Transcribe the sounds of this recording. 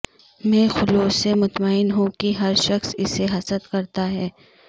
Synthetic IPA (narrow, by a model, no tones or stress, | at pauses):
mɛ̃ːxʊloːsemʊt̪maːɪnɦũkiɦɐɾʃɐxsɪseɦɐsət̪kɐɾt̪aɦɛː